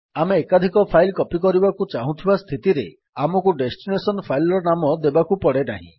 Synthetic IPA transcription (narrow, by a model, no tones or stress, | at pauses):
ameːkad̪ʱikɔpʰajlkɔpikɔɾibakut͡ʃaɦũt̪ʰibast̪ʰit̪iɾe | amɔkuɖesʈinesɔnpʰajlɔɾɔnamɔd̪ebakupɔɽenaɦḭ̃